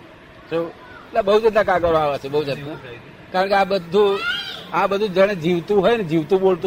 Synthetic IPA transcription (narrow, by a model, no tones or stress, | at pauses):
so | labəɦud͡ʒəd̪nãkaɡəɾoaʋet͡ʃʰebəɦud͡ʒəd̪na | kaɾəɳkeãbəd̪ʱũãbəd̪ʱũd͡ʒəɽ̃ed͡ʒiʋt̪ũɦojned͡ʒiʋt̪ũbolt̪ũ